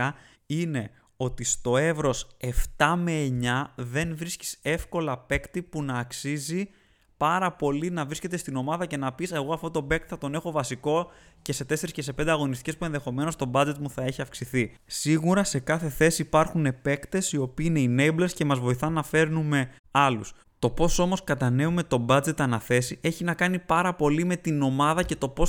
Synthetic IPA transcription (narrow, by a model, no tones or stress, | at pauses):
ɐ | ine̞ | o̞t̪ist̪o̞e̞vɾo̞se̞ft̪ɐme̞ːɲɐðe̞nvɾisci̥se̞fko̞lɐpe̞kt̪ipunɐːksizi | pɐɾɐpo̞linɐvɾisce̞t̪e̞st̪ino̞mɐðɐce̞nɐpiseɣo̞ɐft̪o̞t̪o̞be̞k̚t̪θɐt̪o̞ne̞xo̞vɐsiko̞ce̞se̞t̪e̞se̞ɾisce̞se̞pe̞nd̪eɐɣo̞nist̪icespue̞nðe̞xo̞me̞no̞st̪o̞bɐd͡ze̞t̪muθɐeçiɐfksiθi | siɣuɾɐse̞kɐθe̞θe̞siːpɐɾxune̞pe̞kt̪e̞sio̞piːine̞ine̞jblesce̞mɐzvo̞iθɐnɐfe̞ɾnume̞ | ɐlus | t̪o̞po̞so̞mo̞skɐt̪ɐne̞ume̞t̪o̞bɐd͡ze̞t̪ɐnɐθe̞siʔe̞çinɐkɐnipɐɾɐpo̞lime̞t̪ino̞mɐðɐce̞t̪o̞po̞s